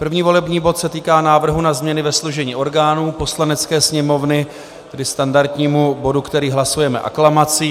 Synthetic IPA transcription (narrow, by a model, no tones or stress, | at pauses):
pr̩vɲiːvo̞lɛbɲiːbo̞t̪sɛt̪iːkaːnaːvr̩ɦunazmɲɛnɪvɛsluʒɛɲiːʔo̞ɾɡaːnuːpo̞slanɛt͡skɛːsɲɛmo̞vnɪ | t̪ɛdɪst̪andaɾt̪ɲiːmubo̞dukt̪ɛɾiːɦlasujɛmɛ̰ʔa̰klamat͡si